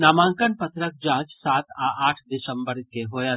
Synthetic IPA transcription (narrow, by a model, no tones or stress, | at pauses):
naːmãːŋkənpɐt̪ʰɾək̚d͡ʒãːt͡ʃsaːt̪aːʔaːʈʰd̪ɪsə̃mbəɾkeɦoːjaː